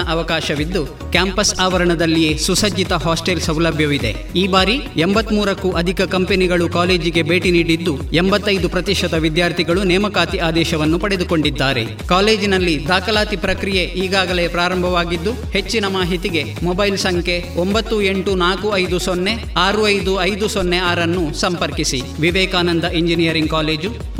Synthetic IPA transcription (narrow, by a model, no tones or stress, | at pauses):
ɐʔɐʋɐkaːʃɐʋid̪ːu | kjaːmpɐsaːʋɐɾɐɳɐd̪ɐlːije̞susɐd͡ʒːit̪ɐɦaːsʈelsɐwlɐbʱjɐʋid̪e̞̰ | iːbaːɾiembɐt̪ːmuːɾɐkːuʔɐd̪ʱikɐkɐmpeniɡɐɭukaːle̞ːd͡ʒiɡe̞be̞ːʈiniːɽid̪ːuembɐt̪ːɐjd̪upɾɐt̪iʂɐd̪ɐʋid̪jaːɾt̪ʰiɡɐɭunɛːmɐkaːt̪iʔaːd̪ɛːʃɐʋɐnːupɐɽe̞d̪ukoɳɖid̪ːaːɾe̞̰ | kaːle̞ːd͡ʒinɐlːid̪aːkɐlaːt̪ipɾɐkɾije̞ʔiːɡaːɡɐle̞ːpɾaːɾɐmbʱɐʋaːɡid̪ːu | he̞t͡ʃːinɐmaːɦit̪iɡe̞ | mɔbɐjlsɐŋkʰe̞ | ombɐt̪ːue̞ɳʈunaːkuɐjd̪usonːe̞ | aːɾuɐjd̪uɐjd̪usonːeaːɾɐnːusɐmpɐɾkisḭ | ʋiʋɛːkaːnɐnd̪ɐʔiɲd͡ʒinijɐɾiŋɡ̚kaːle̞ːd͡ʒu